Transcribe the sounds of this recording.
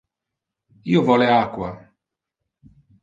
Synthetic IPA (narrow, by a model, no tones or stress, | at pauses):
iːovɔleakːwa